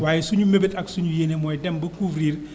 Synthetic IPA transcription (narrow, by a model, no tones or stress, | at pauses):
waːjɛsuɲumebetɐksuɲujeːnemɔjɛdɛmbɐkuːfɾiːr